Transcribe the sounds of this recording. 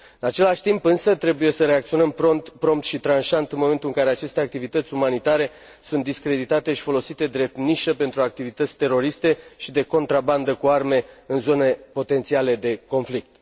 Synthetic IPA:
ɨnat͡ʃe̞laʃʲt̪impɨnsət̪ɾe̞buje̞səɾe̞akt̪sio̞nəmpɾont̪pɾo̞mp̚t̪ʃit̪ɾanʃant̪ɨnmome̞nt̪ulɨŋkaɾe̞at͡ʃe̞st̪eak̚t̪ivit̪ət̪sʲumanit̪aɾe̞ | sunt̪d̪iskɾe̞d̪it̪at̪e̞ʃi̥fo̞lo̞sit̪e̞d̪ɾe̞p̚t̪niʃəpe̞nt̪ɾuak̚t̪ivit̪ət̪sʲt̪e̞ɾo̞ɾist̪eʃid̪e̞ko̞nt̪ɾaband̪əkuarme̞ɨnzo̞ne̞po̞t̪e̞nt̪siale̞d̪e̞ko̞nflik̚t̪

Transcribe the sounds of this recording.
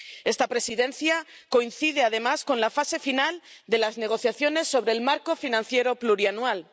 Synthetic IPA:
e̞st̪apɾe̞siðe̞nθjako̞inθiðe̞aðe̞masko̞nlafase̞finald̪e̞lazneɣ̞o̞θjaθjo̞ne̞sːo̞βɾe̞ːlmaɾko̞finãnθje̞ɾo̞pluɾianuwal

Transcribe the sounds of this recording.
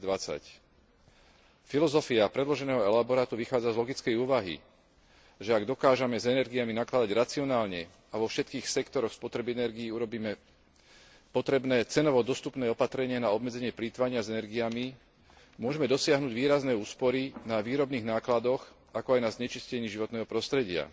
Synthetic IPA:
d̪ʋat͡sa̰c | filɔzɔfiapɾɛd̪lɔʒɛnɛːɦɔɛlabɔɾaːt̪uʋixaːd͡zazlɔɡit͡skɛjuːʋaɦḭ | ʒɛaɡd̪ɔkaːʒɛmɛzɛnɛɾɡijaminaklad̪aɟɾat͡siɔnaːlɲɛ | aʋɔfʃɛt̪kiːxsɛkt̪ɔɾɔxspɔt̪ɾɛbiɛnɛɾɡiːuɾɔbiːmɛ | pɔt̪ɾɛbnɛːt͡sɛnɔʋɔd̪ɔst̪upnɛːɔpat̪ɾɛɲɪanaɔbmɛd͡zɛɲɪɛpliːt̪ʋaɲɪazɛnɛɾɡijami | mʊɔʒɛmɛd̪ɔsɪaɦnuːɟʋiːɾaznɛːuːspɔɾinaʋiːɾɔbniːɣnaːklad̪ɔx | akɔajnazɲɛt͡ʃiscɛɲiːʒiʋɔt̪nɛːɦɔpɾɔst̪ɾɛɟɪa̰

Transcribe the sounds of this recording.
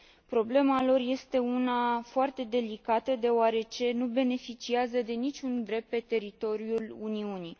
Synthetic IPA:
pɾo̞ble̞malo̞rje̞st̪e̞unafoart̪e̞d̪e̞likat̪əd̪e̞oaɾe̞t͡ʃe̞nube̞ne̞fit͡ʃiazəd̪e̞nit͡ʃʲund̪ɾe̞p̚t̪̚pe̞t̪e̞ɾit̪o̞ɾiuluniuni

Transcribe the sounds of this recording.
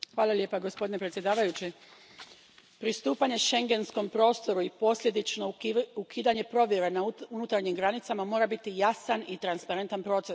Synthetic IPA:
xʋaːlˠalʲje̞paɡo̞spod̪ine̞pɾt̪sjed̪aːʋajut͡ɕi | pɾist̪uːpaɲe̞ʃe̞ŋɡe̞nsko̞mpɾo̞ːst̪o̞ɾuipo̞sʎʲe̞d̪it͡ʃno̞ukʰiːd̪aɲe̞pɾo̞ʋje̞ɾenauunut̪aɾɲimɡɾanit̪samamo̞ːɾabit̪ijasanit̪ɾanspaɾe̞nt̪anpɾo̞ːt̪se̞s

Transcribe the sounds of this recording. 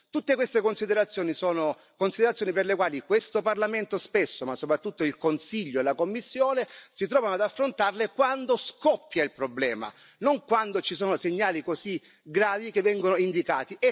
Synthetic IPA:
t̪ut̪ːekwest̪ekonsid̪eɾat̪sːjoːnisoːno | konsid̪eɾat̪sjoːniperlekwaːlikwest̪oparlament̪ospesːomasːopɾat̪ːut̪ːoilkonsiʎːoelakomːisːjoːnesit̪ɾɔːvanoad̪afːɾont̪arlekwand̪oskɔpːjailpɾoblɛ̰ːma̰ | noŋkwand̪ot͡ʃisoːnoseɲːaːlikosi | ɡɾaːvikevːɛŋɡonoind̪ikaːt̪iɛ

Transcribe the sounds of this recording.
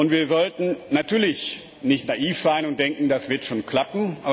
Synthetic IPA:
ʔʊntv̥iːɐzɔltn̩natʰyːɐlɪç | nɪçtnaʔiːfz̥aɪnʊnt̚d̥ɛŋkŋ̩dasv̥ɪɐtʃoːnkʰl̥apn̩aː

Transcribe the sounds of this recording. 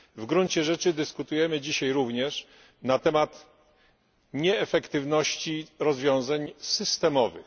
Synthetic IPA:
vɡɾuɲt͡ɕɛʐɛt͡ʂɘd̪ɘskut̪ujɛmɘd͡ʑiɕajɾuvɲɛʂ | nat̪ɛmat̪ | ɲɛːfɛkt̪ɘvnɔɕt͡ɕiɾɔzvʲjɔ̃w̃zaɲsɘst̪ɛmɔvɘ̰x

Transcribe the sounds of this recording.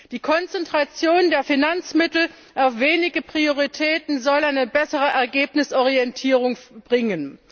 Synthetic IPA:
d̥iːkʰɔnt͡sɛntʁ̥at͡sjoːndeːɐfinant͡smɪtl̩ | ʔaʊfv̥eːnɪɡəpʁ̥ioʁitʰɛːtn̩zɔlaɪnəbɛsəʁəʔɛɐɡeːpnɪsʔɔʁiɛntʰiːʁʊŋb̥ʁɪŋən

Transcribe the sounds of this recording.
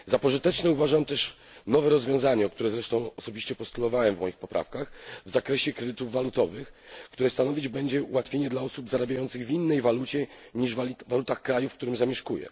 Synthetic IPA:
zapɔʐɨt̪ɛt͡ʂnɛuvaʐamt̪ɛʂ | nɔvɛɾɔzvʲjɔ̃w̃zaɲɛɔk̚t̪uɾɛzɾɛʂt̪ɔ̃w̃ɔsɔbʲiɕt͡ɕɛpɔst̪ulɔvawɛmvmɔjixpɔpɾʔa̰fkaxvzakɾɛɕɛkɾɛd̪ɘt̪uvːalut̪ɔvɘxkt̪uɾɛst̪anɔvʲid͡ʑbɛɲd͡ʑɛṵwat̪fʲjeɲɛd̪laɔsubzaɾabʲjajɔnt̪sɘɣvʲinːɛjvalut͡ɕɛ | ɲiʐvvalut̪axkɾajufkt̪uɾɘmzamʲjɛʂkujɛ̰

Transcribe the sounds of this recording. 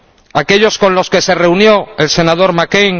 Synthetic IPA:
ake̞ʎo̞sko̞nlo̞ske̞se̞re̞unjo̞else̞nað̞oɾmakejŋ

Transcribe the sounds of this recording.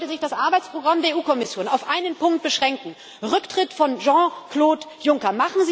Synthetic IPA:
təzɪçd̥asʔaɐbaɪt͡spʁ̥oɡʁamdeːɐeuːkʰɔmɪsjoːnaʊfʔaɪnənpʰʊŋkt̚b̥əʃʁ̥ɛŋkŋ̩ | ʁʏktʁ̥ɪtfɔnʒɑ̃ːkloːtjʊŋkɐmaχn̩zi

